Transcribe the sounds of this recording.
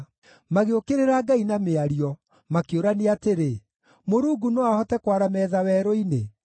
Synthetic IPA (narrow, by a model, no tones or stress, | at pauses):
maɣeokeɾeɾaːɡainameaɾiɔ | makeoɾaneateɾe | moɾuːɡunoahɔtɛkwaɾamɛːðawɛɾoine